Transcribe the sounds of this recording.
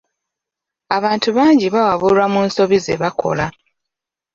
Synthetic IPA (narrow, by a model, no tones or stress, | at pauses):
aβaːntuβaːɲɟiβawaβulwamuːnso̞βizeβakʰo̞̰la